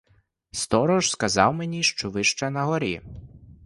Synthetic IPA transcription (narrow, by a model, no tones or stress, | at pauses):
st̪ɔɾɔʒskɐzɑwmenʲiʃt͡ʃɔʋɪʃt͡ʃɛnɐɦɔɾʲḭ